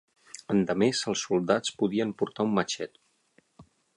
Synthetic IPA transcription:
ənd̪əmezəlˠsːulˠd̪at͡spuðiəmpuɾt̪aumːət͡ʃɛt̪

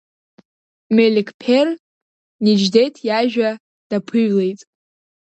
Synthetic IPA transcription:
melʲikʰʼpʲʰer | nid͡ʒdejtʰjaʒᶣa | d̥apʰɨɥle̞jtʼ

